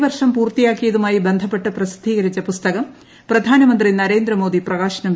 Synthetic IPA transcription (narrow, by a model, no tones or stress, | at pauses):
ʋɐrʂɐmpuːrt̪ijaːkːijɐðumaːjibe̞nd̪ʱɐpːe̞ʈːɨprɐsi̥d̪ʱːiːɣɐɾit͡ɕːɐpust̪ɐɣɐm | prɐd̪ʱaːnɐmɐnd̪rinɐɾe̞ːnd̪ɾɐmo̞ːd̪iprɐɣaːɕɐnɐm